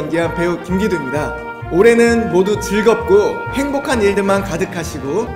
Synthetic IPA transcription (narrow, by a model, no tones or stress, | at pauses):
nɡianpe̞ukuŋɡidwemɲida | oɾe̞nɯnmodutɯɭɡʌp̚k͈o | he̞ŋbokʰaniɭdɯmankadɯkʰaɕʰiɡo